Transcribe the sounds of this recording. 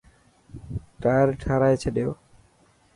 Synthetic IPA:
ʈaɾʈʰaɾajt͡ɕʰed̪eo

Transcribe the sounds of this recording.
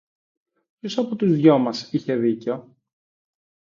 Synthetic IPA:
pço̞sɐpot̪uzðʝo̞mɐsiçe̞ðiceo̞

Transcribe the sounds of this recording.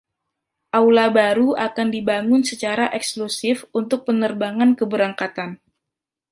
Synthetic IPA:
ʔawlabaɾuakandibaŋʊnsət͡ʃaɾaʔɛksklusɪfunt̪ʊk̚pənərbaŋankəbəɾaŋkat̪an

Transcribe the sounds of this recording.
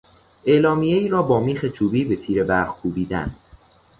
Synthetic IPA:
ʔeːlɒːmijeiːɾɒːbɒːmiːxet͡ʃʰuːbiːbe̞t̪ʰiːɾe̞bæɾχkʰuːbiːd̪æ̰n

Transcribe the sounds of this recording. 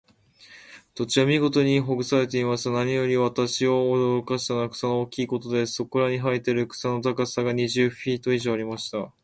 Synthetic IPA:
t̪o̞t͡ɕiβamʲiɡo̞t̪o̞ɲ̟iɦo̞ɡɯ̟saɾe̞t̪e̞imaɕit̪anaɲ̟ijo̞ɾʲiβat̪aɕio̞ːd̪o̞ɾo̞kaɕi̥t̪anakɯ̟̥sanooːkʲiːko̞t̪o̞d̪e̞so̞ko̞ɾaɲ̟iɦait̪e̞ɾɯ̟kɯ̟̥sano̞t̪akasaɡaɲ̟iʑɨɸʲiːt̪o̞iʑo̞ːaɾʲimaɕi̥t̪a

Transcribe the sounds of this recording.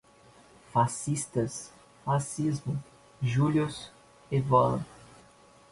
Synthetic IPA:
fasist̪ɐs | fasizmʊ | ʒuljʊs | evɔlɐ̰

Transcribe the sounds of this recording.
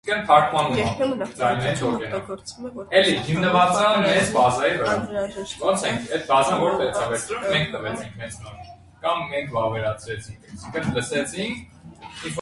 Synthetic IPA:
kʰənt̪ʰɑɾkʰmɑnd͡zɑjnɛint̪ɔkɛn | ɛliɦimnəvɑt͡sɑnmɛzbɑzɑjivəɾɑɔɾt͡sʰɛŋkʰɛt̪bɑzəvɔɾp̪ɛt͡sʰɑvɛɾt͡sɾummɛŋk̚ʰt̪əvɛt͡sʰiŋkʰmɛnt͡sʰnɔɾ | kɑmːɛŋkʰvɑvɛɾɑt͡sʰɾɛt͡sʰiŋkʰsiŋkʰənləsɛt͡sʰiŋkʰ | in

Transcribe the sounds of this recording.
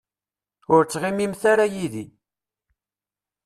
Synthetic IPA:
ʊɾt͡sːʁɪmimθaɾajiði

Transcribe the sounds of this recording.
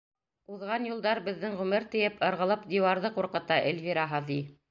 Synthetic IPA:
uðʁɑnjulˠd̪ɑɾbɘ̆ðːɘŋʁɵmɘɾt̪ɘ̆jɘpɤ̆ɾʁɤ̆lˠɤpd̪ʲiwɑɾðɤquɾqɤ̆t̪ɑʔḛlvʲiɾɑɦɤði

